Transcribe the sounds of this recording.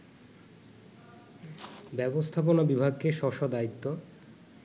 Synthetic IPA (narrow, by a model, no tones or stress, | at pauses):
bɛbost̪ʰaponabibʱaɡkeʃɔʃod̪ait̪ːo